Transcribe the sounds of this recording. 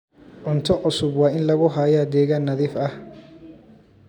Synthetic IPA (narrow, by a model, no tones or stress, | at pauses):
ʕʊnt̪ʰɔʕʊsʊbwɑːʔɪnlɐɣʊɦaːjaːd̪ɛːɣaːnːɐðiːfɐh